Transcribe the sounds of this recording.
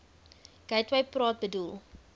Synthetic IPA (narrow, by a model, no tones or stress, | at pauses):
ɡ̥ɐjtwɐjprɑːt̚bədulˠ